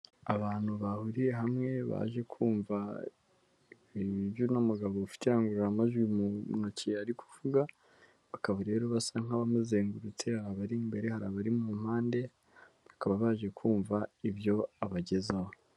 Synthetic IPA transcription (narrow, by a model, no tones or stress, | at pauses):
aβaːn̥huβahuɾiɾe̞ɦamŋe̞βa̰ːʒe̞kʰuːɱva | iiβjunamuɡaβoufi̥tiaŋɡuɾuɾamaʒwimunociaɾikʰu̥vuɡa | βakaβaɾe̞ːɾoβasaŋ̥aβamuzeːŋɡuɾut͡sehaɾaβaɾimbe̞ɾe̞haɾaːβaɾimum̥haːnde̞ | βḁkaβaβaːʒe̞kʰuːɱvaiβjo̞aβaɟe̞zaβo